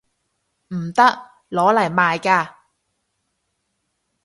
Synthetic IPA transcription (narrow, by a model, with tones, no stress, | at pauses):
m̩˨˩t̪ɐ˥k̚ | lɔː˨˥lɐ˨˩jmaː˨jkaː˧